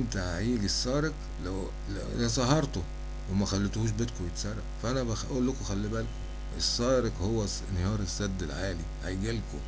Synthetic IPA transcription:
nt̪æʕaʕiːɡesːɑːɾek | læw | læ̰læsˤɑɦɑɾˤt̪o | wemæxælːet̪huːʃ̬bet̪kowet̪sæɾˤːɑ̰fæʔænæbæʔuːlːokʔxælːibælko | ʔesːɑːɾekhowːæ | nːehɑːɾˤesːæd̪ːelʕaːliʕajɡælko̰

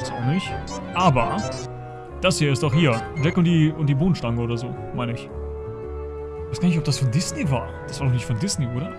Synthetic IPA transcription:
sanɪçʔaːbɐ | d̥ashiːɐɪstd̥ɔχhiːɐvɛkʊntd̥iːʊntd̥iːboːnn̩ʃtaŋəoːdɐzoː | maɪnəɪç | aɪsɡ̥aːɐnɪç̬tɔpd̥asfɔndɪsneva̰ːɐd̥asv̥aːdɔχnɪçtfɔndɪsneʔoːɾɐ

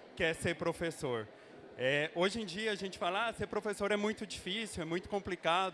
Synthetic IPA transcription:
kɪɛseɾpɾofesoɾ | ɛoʒẽd͡ʒiɐɐʒẽnt͡ʃɪ̥falɐaseɾpɾofesoɾɛmũj̃t̪ʊd͡ʒifisiwɛmũj̃t̪ʊ̥kõmplikad̪ʊ

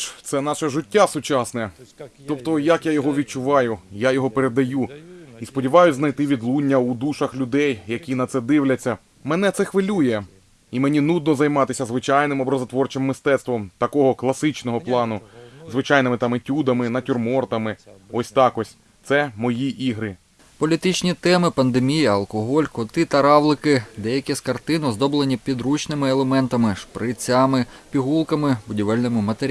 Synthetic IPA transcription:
t̪sɛnɑʃɐʒɪtʲːasʊt͡ʃɑsnɛt̪ɔpt̪ɔjɐkjajɔɦɔʋʲid̪̚t͡ʃʊʋɑjʊjajɔɦɔpeɾed̪ɐjuispɔdʲiʋɑjʊznɐjt̪ɪʋʲid̪lˠunʲːɐud̪uʃɐxlʲʊd̪ɛjjɐkʲinɐt̪sɛd̪ɪwlʲɐt͡sʲːɐ | mɛn̪ɛt̪ɛxʋɪlʲujɛ | imenʲinud̪nɔzɐjmɑt̪ɪsʲɐzʋɪt͡ʃɑjnɪmɔbɾɐzɐt̪ʋɔrt͡ʃemːɪst̪ɛt̪st̪ʋɔmt̪ɐkɔɦɔklˠɐsɪt͡ʃnɔɦɔplˠɑnʊzʋɪt͡ʃɑjnɪmɪt̪ɑmɪtʲud̪ɐmɪnɐtʲʊrmɔrt̪ɐmɪɔsʲt̪ɑkɔsʲ | t̪sɛmɔjiʔiɦɾɪ | pɔlʲit̪it͡ʃnʲit̪ɛmɪpɐnd̪emʲijɐɐlˠkɔɦɔlʲkɔt̪ɪt̪ɐɾɑʋlˠɪkɪd̪ɛjɐkʲiskɐrt̪ɪnɔzd̪ɔblˠenʲipʲid̪ɾut͡ʃnɪmɪelˠemɛnt̪ɐmɪʃpɾɪt͡sʲamɪpʲiɦulˠkɐmɪbʊdʲiʋɛlʲnɔmɪmɐt̪eɾʲ

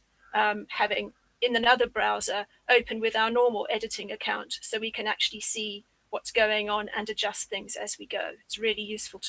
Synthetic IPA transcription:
ʔʌ̃mhavɪ̃ŋ | ɨ̃nðɨnʌðə˞bɹaʊzə˞ | ʔəʊpʰə̃nwɪðaʊənɔːməlˠʔɛɾɨtɪ̃ŋɨkʰãʊ̃ntsoʊwikʰɨ̃na̰k̚t͡ʃʉl̩ˠisi | wɒtsɡ̥əʊɪ̃ŋə̃nə̰̃nɨd͡ʒʌsθɪ̃ŋz̥ɨzwiɡəʊɪtsɹɪːlijʉˑsfəlˠtʰ

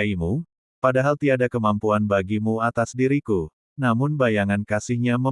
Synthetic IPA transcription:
imu | padaɦalt̪iadakəmampuanbaɡimuat̪asdiɾiku | namʊnbajaŋankasɪhɲamə

